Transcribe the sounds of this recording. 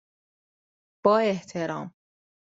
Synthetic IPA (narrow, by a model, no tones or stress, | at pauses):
b̥ɒːe̞ht̪ʰeɾɒːm